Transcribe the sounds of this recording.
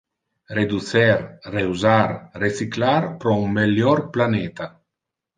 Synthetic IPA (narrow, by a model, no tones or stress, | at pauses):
red̪usɛɾreuzarresiklarpɾɔumbeljɔrplaneːt̪a